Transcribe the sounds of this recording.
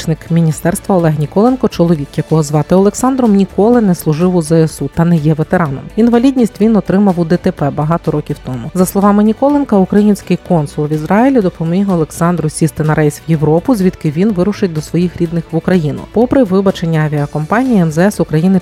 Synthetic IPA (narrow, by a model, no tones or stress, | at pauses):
t͡ʃnɪkmʲinʲist̪ɛrst̪ʋɐɔlˠɛɦnʲikɔlˠenkɔt͡ʃɔlˠɔʋʲikjɐkɔɦɔzʋɑt̪ɪɔlˠeksɑnd̪ɾɔmnʲikɔlˠɪnɛslˠʊʒɪwʊzɛesut̪ɐnɛjɛʋet̪eɾɑnɔ̰minʋɐlʲidʲnʲisʲtʲʋʲinɔt̪ɾɪmɐwʊd̪ɛt̪epɛbɐɦɑt̪ɔɾɔkʲiwt̪ɔmʊzɐslˠɔʋɑmɪnʲikɔlˠenkɐukɾɐjinʲsʲkɪjkɔnsʊlˠʋʲizɾɑjilʲid̪ɔpɔmʲiɦɔlˠeksɑnd̪ɾʊsʲist̪ɪnɐɾɛjsʲʋjeʋɾɔpʊzʲʋʲid̪kɪʋʲinʋɪɾʊʃɪtʲd̪ɔsʋɔjixɾʲid̪nɪxʋʊkɾɐjinʊ̰pɔpɾɪʋɪbɐt͡ʃenʲːɐɐʋʲiɐkɔmpɑnʲijiɛmzɛɛsʊkɾɐjinɪ